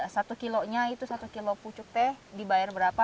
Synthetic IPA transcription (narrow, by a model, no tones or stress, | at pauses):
asat̪ukiloɲait̪usat̪ukiloput͡ʃʊk̚t̪ɛhdibaɛrbəɾapa